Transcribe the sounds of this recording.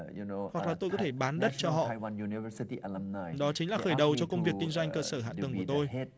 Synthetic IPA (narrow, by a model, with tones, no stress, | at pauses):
junohwa˨˩k̚laː˨˩t̪o˧jkɔ˨˦t̪ʰe˧˩ɓaː˨˦nɗə˦˥t̚t͡ɕɔ˧ɦɔ̰˧˨ʔwãnjunivəsitiʔalamnajɗɔ˨˦t͡ɕï˨˦ŋ̟laː˨˩xəː˧˩jɗə˨˩wt͡ɕɔ˧kə˧wŋ͡mvi˨˩əkːï˧ŋzwa˧jŋ̟kəː˧səː˧˩ɦa̰˧˨t̪ə˨˩ŋku˧˩ət̪o˧jt